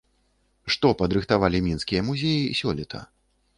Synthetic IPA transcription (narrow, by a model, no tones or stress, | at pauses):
ʂt̪ɔpɐd̪ɾɨxt̪avalʲimʲinskʲijɐmuzʲejisʲɔlʲit̪ʰɐ̰